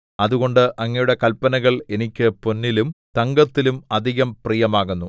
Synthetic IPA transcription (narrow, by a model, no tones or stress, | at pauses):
ɐðuɣo̞ɳɖɨʔɐŋːɐjuɽe̞kɐlpːɐnɐɣɐɭe̞nikʲːɨponːilumt̪ɐŋɡɐt̪ːilumɐd̪ʱiɣɐmprijɐmaːɣunːu